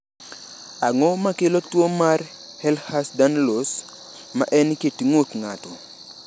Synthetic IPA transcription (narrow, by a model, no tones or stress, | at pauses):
aŋɔmakelotwomar | hɛlhasdanlos | ma̰ʔɛnketiŋotŋatɔ